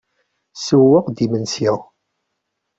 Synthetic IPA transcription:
səwːəʁd̪imənsiʁ

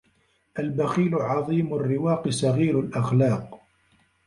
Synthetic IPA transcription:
ʔalbaxiːlʊʕɑðˤiːmrːɪwɑːqsaɣiːɾalʔaxlɑːq

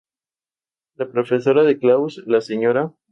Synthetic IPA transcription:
lapɾo̞fe̞so̞ɾaðeklawslaseɲo̞ɾa

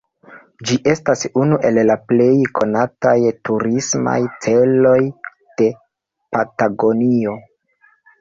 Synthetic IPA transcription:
d͡ʒiʔe̞stasunuʔe̞llaple̞jkʰo̞natajtuɾisma̰jt͡se̞lo̞j | d̥e̞ | pataɡo̞nio̞

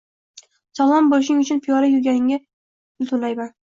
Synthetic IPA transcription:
sɒlˠɒmbolɪʃnɪŋʊt͡ʃʰʊnpʰijɒɾajʊɡʲanɪŋa | ɪlt̪ʰʊnlajban

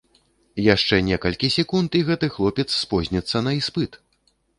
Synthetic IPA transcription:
jaʂt͡ʂɛnʲɛkɐlʲkʲisʲɛkunt̪iɣɛt̪ɨxlˠɔpʲɛt̪sːpɔzʲnʲɛt̪sːɐnɐispɨt̪

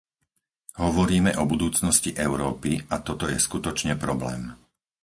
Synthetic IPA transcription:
ɦɔʋɔɾiːmɛʔɔbud̪uːt͡snɔsciʔɛʊɾɔːpiat̪ɔt̪ɔjɛskut̪ɔt͡ʃɲɛpɾɔblɛ̰ːm

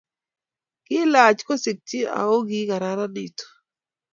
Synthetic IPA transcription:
kilaːt͡ʃkɔsik̚tia̰oɡiɡaɾaɾaɗitɔ̥

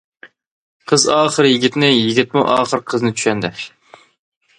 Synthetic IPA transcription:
qʰəzɑːχəɾjɪɡʲit̪nɪjiɡʲit̪̚muʔɑːχəɾqʰəznɪt͡ʃ̪ʰy̥ʃɛnd̪ɪ

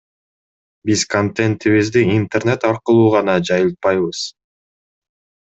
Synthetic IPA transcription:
bizkont̪ent̪iβizd̪iiːnt̪erne̞t̪ɑɾqɯlˠuːʁɑnɑd͡ʒɑjɯlˠt̪̚pɑjβɯz̥

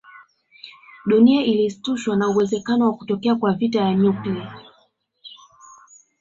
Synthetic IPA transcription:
ɗuniaʔilistuʃwanauwɛzɛkanɔwakutɔkɛakwavitajaɲuklia

